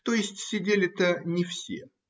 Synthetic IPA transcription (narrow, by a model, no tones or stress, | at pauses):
t̪ojɪsʲtʲsʲɪdʲelʲɪt̪ənʲɪfsʲḛ